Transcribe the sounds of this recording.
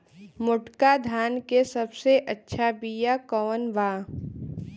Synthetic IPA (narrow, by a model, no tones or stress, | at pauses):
mʊʈkad̪ʱaːnkesɐbseʔɐtːʃʰabijakɔːnʋaː